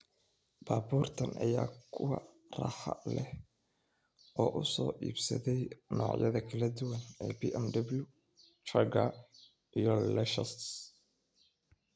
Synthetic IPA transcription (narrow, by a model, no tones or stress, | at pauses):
b̥aːbuːrt̪ʰɐnʔɐ̰jaːkʰʊwɑ | rɑ̰ħɑ̰lɛh | ʔɔːʔʊsɔ̰ːʔiːbsɐ̰ðɛjnɔ̰ːʕjɐ̰ðɐkʰɐlɐd̪ʊwɐnɛːbiːʔɛmd̪ɐblju | t͡ʃɐɡɐ | ʔijɔlɛʃɐst̪